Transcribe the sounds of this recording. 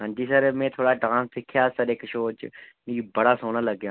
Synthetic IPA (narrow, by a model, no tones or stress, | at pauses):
ɦə̃ːnd͡ʒiːsəɾmẽːt̪ʰoːɽaːɖãːnsɪkʰjaːsəɾɪkʃoːt͡ʃmĩːbəɽaːsoːnələɡjãː